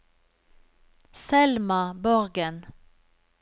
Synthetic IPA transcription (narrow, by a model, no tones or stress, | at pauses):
sɛlmɑbɔʁɡən